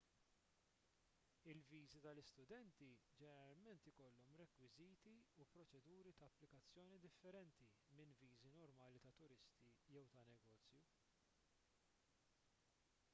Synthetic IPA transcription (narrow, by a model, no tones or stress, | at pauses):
ɪlviːzit̪ɐlɪst̪ʊd̪ɛnt̪id͡ʒɛnɛɾɐlmɛnt̪ɪkɔlːɔmɾɛkwɪziːt̪iupɾɔt͡ʃɛd̪uːɾit̪ɐːpːlɪkɐt͡sːjɔːnid̪ɪfːɛɾɛnt̪imɪnviːzinɔɾmɐːlit̪ɐt̪ʊɾɪst̪ijɛwt̪ɐnɛɡɔːt͡sːju